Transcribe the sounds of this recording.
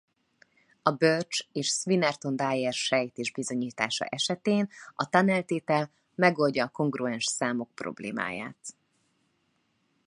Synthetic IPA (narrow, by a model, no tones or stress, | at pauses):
ɒbørt͡ʃeːʃsʋinɛrt̪o̞nd̪aːjɛrʃɛjt̪eːʒbizo̞ɲiːt̪aːʃɒ̰ʔɛʃɛt̪eːnɒt̪ɒnɛlt̪eːt̪ɛl | mɛɡo̞lɟɒːko̞ŋɡruɛnʃsaːmo̞k̚pro̞̰blḛːma̰ːja̰ːt̪